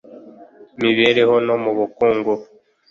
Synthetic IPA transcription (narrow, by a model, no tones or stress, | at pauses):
miβeɾehonomuβukuːŋɡu